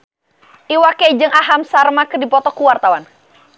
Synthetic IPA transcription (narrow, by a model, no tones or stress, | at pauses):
ʔiwaked͡ʒɨŋaɦamsarmakədipɔt̪ɔkuwart̪awan